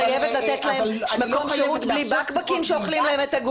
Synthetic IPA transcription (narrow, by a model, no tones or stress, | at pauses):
ajevetlat̪et̪laɦemmako̞mʃeʁut̪blibakbakimʃeoχlimlahe̞met̪aɡ